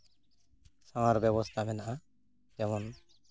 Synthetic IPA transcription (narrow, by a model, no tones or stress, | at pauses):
sãwaɾbjɛβɔst̪ʰamɛnaʔa | jɛmɔn